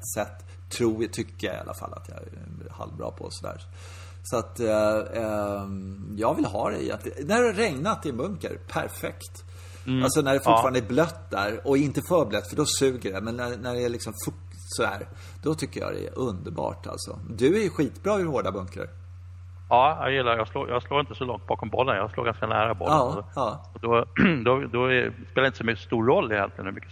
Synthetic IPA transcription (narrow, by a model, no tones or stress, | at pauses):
t̪sɛt̪ʰː | ɾuːjt̪ʰʏkːəjaɪa̰lːafa̰lːat̪ʰjɑ | ha̰lvbɾɑ̰ːpʰɔ̰sɔd̪æ̰ːɾ | sɔat̪ | jɑːɡvɪlɦɑːd̪ɛ̰ɪɛ̰t̪næɾɾɛŋnat̪ɪnbɵŋkə̰ɾpʰæ̰ɾfɛkt̪ | alsɔnæɖɛfʊfɑːɾand̪ɛblœt̪ːd̪æɾɔɪnt̪əfœːɾblɛt̪ːfəɖɔsʉ̟ːɡəɖɛmɛnːænæɖɛːɭɪksɔmfɵ | sɔd̪æ̰ːɾ | d̪̥ɔt̪ʰʏkːə̰jɑ̰d̪ɛ̰ʔɵnd̪əɾbɑ̰ːʈʰa̰lt̪sɔ̰d̪ɵæɾjɵɧiːt̪bɾɑːɵɾhoːɖabɵŋkə̰ɾ | ɑːjɑ̰jɪlːaɾjɑːɡlo̰ːjɑːɡsloːɾɪnt̪əsɔlɔŋt̪̚bɑːkɔmbɔlːənjɑɡsloːɡanskanæ̰ːɾabɔ̰lɑːɑːɔd̪ɔd̪ɔd̪ɔɛ̰speːlaɾjɪnt̪əsɔmʏkːst̪uːɾɾɔlːɪhɛ̰t̪ə̰nhʉmʏkːə